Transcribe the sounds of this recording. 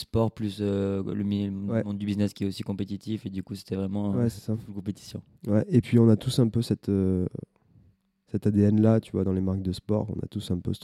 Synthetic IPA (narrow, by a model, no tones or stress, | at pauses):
spɔʁplysøləm̃wɛmɔ̃d̪ybiznɛskʲiɛosi̥kɔ̃pet̪it̪ʰifed̪ykuse̥t̪ɛvʁɛmɑ̃wɛsɛsaulkɔ̃pet̪i̥sjɔ̰̃ | wɛepɥiɔ̃nat̪usɛ̃pøsɛt̪ø | sɛt̪ad̪eɛnlat̪yvwad̪ɑ̃lemaʁk̚d̪əspɔ̰ʁɔ̰̃na̰t̪usɛ̃pø̰s